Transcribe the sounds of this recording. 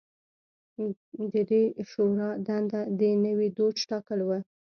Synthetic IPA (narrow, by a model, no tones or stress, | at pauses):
d̪əd̪eʃoɾɑd̪and̪ad̪ənəwed̪od͡ʒʈɑkəlwə